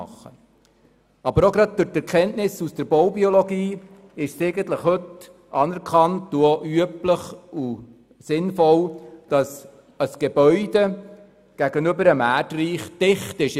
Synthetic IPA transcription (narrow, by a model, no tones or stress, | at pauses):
ɑ̰χːə̰ | ɑbəɾoɡɾɑd̚d̥ʊɾtɛɾkχɛntnɪsusd̥əɾbɔwbiolɔɡiː | ɪʃsɛɪɡənt̪ləχhɵt | ɑːnɛɾkχɑntuoʔyəpləχu | sɪnfɔld̥ɑs | əsɡ̥eb̥œʏde | ɡ̥æɡ̥ənɵbəɾəmæːɾtriːχd̥ɪχtɪʃ